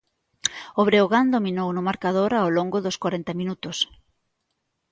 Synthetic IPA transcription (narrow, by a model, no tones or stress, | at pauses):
oβɾeoɣand̪ominownʊmaɾkað̞oɾaoloŋɡʊðoskwaɾent̪ɐminut̪ʊs